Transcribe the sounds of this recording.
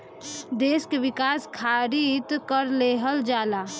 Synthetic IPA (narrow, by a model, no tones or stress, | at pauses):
d̪eːskeʋɪkaːskʰaːɾit̪kəɾleɦəld͡ʒaːlaː